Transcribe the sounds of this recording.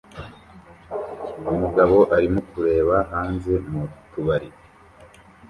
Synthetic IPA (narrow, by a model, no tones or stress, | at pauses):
umuɡaβo̞ʔaɾimokuɾe̞ːβaɦaːnze̞mutuβaɾiɾ